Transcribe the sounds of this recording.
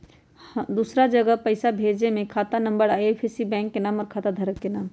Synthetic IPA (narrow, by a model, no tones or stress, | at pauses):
d̪usɾad͡ʒəɡəpəɪsabʱed͡ʒnemẽkʰaːt̪anə̃mbəɾajepʰesibɛ̃ːŋkːenaːməɾkʰaːt̪ad̪ʱəɾəkːenaːm